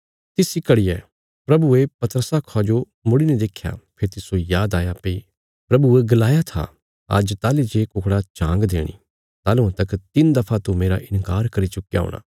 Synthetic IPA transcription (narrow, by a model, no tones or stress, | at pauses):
t̪ɪsikɐɽiɛ̰ː | pɾɐbuepɐt̪əɾəsakʰad͡ʒo | mʊɽinɛ̃d̪eːkʰja̰pʰɪɾt̪ɪsojaːd̪aːjapɐi | pɾɐbueɡɐlaːjat̪ʰa̰ | ɐ̰d͡ʒt̪aːlid͡ʒeːkʊkɽat͡ʃãːŋɡd̪ḛːɽ̃ḭ | t̪aːlũãt̪ɐkt̪ɪnd̪ɐpʰat̪umeːɾa̰ʔɪnkaːɾkɐɾit͡ʃʊkija̰ːo̰ːɽ̃a̰ː